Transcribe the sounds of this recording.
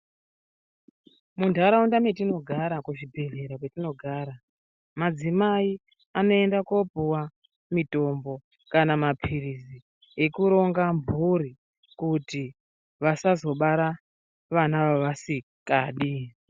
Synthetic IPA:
mundaɾaundamet̬ino̞ɡʱaɾakuʐibʱe̞ve̞ɾak̬wetino̞ɡʱaːɾa | mad͡zimai | ano̞e̞ndakopuwa | mito̞mbo̞ | kanamapʰirizi | ekuɾo̞ŋɡambʱuɾi | kuti | ʋasazo̞ɓaɾa | ʋanaʋoʋasi | kaːɗi

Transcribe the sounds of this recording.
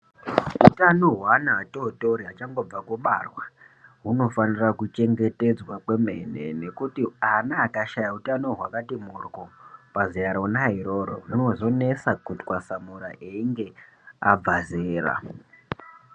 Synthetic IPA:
utano̞ɦwanaːto̞to̞ɾiɦat͡ʃaŋɡo̞b͡vakuɓa̰rwa | ɦuno̞fanirakut͡ʃe̞ŋɡe̞te̞d͡zwakwe̞me̞ne̞̰ne̞kutianaːkaʃajautano̞ɦwakatimurkopazijaɾonaɦiɾo̞ːɾo̰uno̞zo̞ne̞sakutkwasamuɾa̰ʔeiŋɡe̞ | a̰b͡vazeːra̰

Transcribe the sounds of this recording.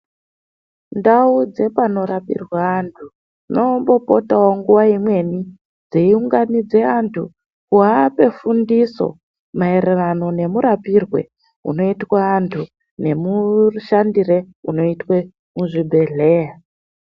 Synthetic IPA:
ndaud͡ze̞pano̞ɾapḭrwaːntʰu | no̞mbo̞po̞tawoŋɡuʋaimwe̞ni | d͡zeiuŋɡanid͡ze̞antʰu | kuɦape̞fundiso̞̰ | maererano̞ne̞muɾapirwe̞̰ | ṵno̞itwaːntʰu | ne̞muʃandire̞ | uno̞itwe | muʐibʱe̞ɮe̞ːja

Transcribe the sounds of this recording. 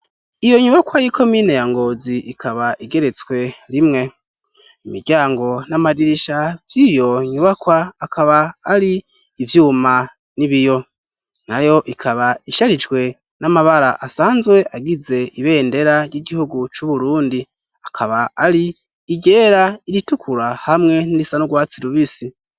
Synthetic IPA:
ijo̞ɲuβakwajikʰo̞miːne̞jaŋɡo̞ːziʔikʰaβaʔiɡe̞ɾe̞t͡swe̞ɾimŋe̞ | imiɾɟaːŋɡo̞namadiɾiʃavjijo̞ɲuβakwaːkʰaβaːɾiː | vjuːma | niβijo̞ | najo̞ʔikʰaβaiʃaɾid͡ʒɡwe̞ | namaβaɾaʔasaːnzɡwe̞ʔaɡize̞iβe̞ːnde̞ɾaɾjiɡihuɡut͡ʃuβuɾuːndi | akʰaβaaɾiː | ɟe̞ːɾaiɾitukʰuɾahamŋe̞niɾisanuɡwaːt͡siɾuβisi

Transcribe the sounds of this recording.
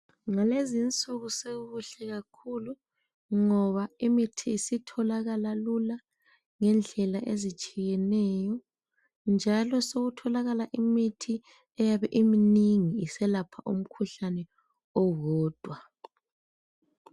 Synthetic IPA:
ŋalezint͡sʼuɣuseɣuɬɛɣakʰulu | ŋɔβaimitʰiːsitʰɔlaɣalalula | ŋɛnd͡ɮʱɛlaʔezit͡ʃʼijɛnɛjɔ | nd͡ʒʱalɔsoɣutʰɔlaɣalaʔimitʰi | ɛjaβɛʔiminiŋiːsɛlapʰaʔum̩kʰuɬanɛ | ɔɣɔːd̥ʱwa

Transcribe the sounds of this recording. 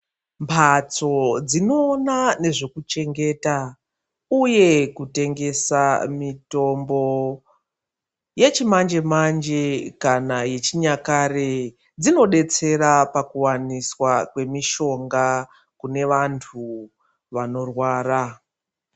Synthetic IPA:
mpʰat͡so̞d͡zino̞ːnane̞ʐe̞kut͡ʃe̞ŋɡe̞ta | uje̞kute̞ŋɡe̞samito̞mbo̞ | je̞t͡ʃimand͡ʒe̞mand͡ʒe̞kanaje̞t͡ʃiɲakaɾe | d͡zino̞ɗe̞t͡se̞ɾapakuwaniswakwe̞miʃo̞ŋɡa | kune̞ʋantʰu | ʋano̞rwaːra

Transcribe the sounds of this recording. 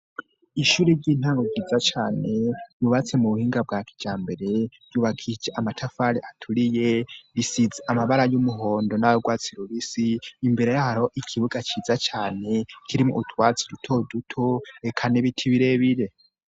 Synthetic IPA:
iʃuːɾeɾɟiːn̥haːŋɡoɡɟiːzat͡ʃaːne̞juβat͡se̞muβuhiːŋɡab̚ɡaːkʰi̥d͡ʒaːmbe̞ɾe̞̥ | juːβakʰid͡ʒeʔamatʰafaɾeʔatʰuɾije̞βisizeʔamaβaɾajumuɦo̞ːndo̞najoɡwaːt͡siɾoβisiːmbeɾejahaɾoʔikʰiβuɡat͡ʃiːzat͡ʃaːne̞kʰiɾimuutwaːt͡sidutʰo̞dutʰoekʰaniβitʰiβiɾe̞βiɾe̞

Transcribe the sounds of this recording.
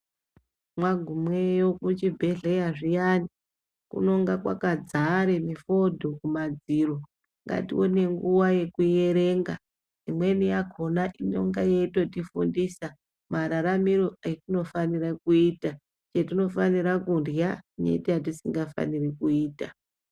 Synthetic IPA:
mwaɡʱumwejokut͡ʃibʱe̞ɮejaʐijani | kṵno̞ŋɡakwa̰kad͡zaɾemifo̞dʱokumad͡ziːro | ŋɡa̰tḭwone̞ŋɡuwaje̞kuje̞ɾe̞ːŋɡa̰ | imwe̞nijakʰo̞naʔino̞̰ŋɡajeito̞tifundisa | maɾaɾamiɾoaitino̞fanirakuiːta | t͡ʃetino̞faniɾakunrjanḛtiat̬isiŋɡafa̰nirikuiːta

